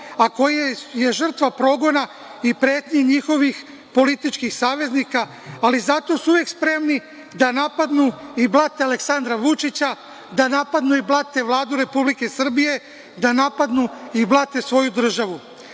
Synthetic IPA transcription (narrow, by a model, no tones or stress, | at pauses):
ako̞jeje̞ʒr̩t̪ʋapɾo̞ɡo̞na | ipɾe̞ːt̪ɲeɲixo̞ʋix | po̞lit̪it͡ʃkixsaːʋe̞znikaː | lizat̪o̞suuʋe̞kspɾe̞mni | d̪anapad̪nuiblˠat̪ealeksand̪ɾaʋut͡ʃit͡ɕa | d̪anapad̪nuiblˠat̪e̞ʋlˠaːd̪uɾe̞publike̞sr̩bije̞ | d̪anapad̪nuiblˠat̪e̞sʋo̞jud̪r̩ʒaʋu